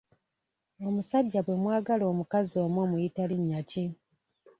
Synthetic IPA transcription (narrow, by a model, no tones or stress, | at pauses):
o̞musaɟːaβwe̞mwaːɡalo̞ːmukazio̞ːmwo̞ːmujitaliɲːaci